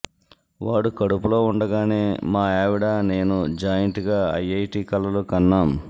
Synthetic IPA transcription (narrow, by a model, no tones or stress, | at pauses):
ʋaːɽukɐɽupulo̞ːuɳɖɐɡaːne̞ːmaːaːʋiɽaːne̞ːnud͡ʒaːjɐɳʈiɡaːɐ̰jɐjʈiːkɐlːɐlukɐnːaːm